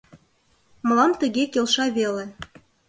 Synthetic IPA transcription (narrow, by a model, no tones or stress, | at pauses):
mɤ̆lɑmt̪ə̆ɣekelʃɑβele